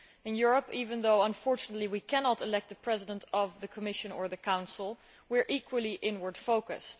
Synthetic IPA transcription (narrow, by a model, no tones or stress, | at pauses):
ɨ̃njʊɹəpivɨ̃nðoʊə̃ɱfɔɹt͡ʃɨnətˡliwikʰænɑtəlɛk̚t̪̚ðəpʰɹ̥ɛzɨdə̃ntʰʌvðɨkʰəmɪʃɨ̃nə˞ðɨkʰãʊ̃nsl̩ˠ | wɪɹʔikʰwəlˠiʔɪ̃nwə˞d̥foʊkɨ̰st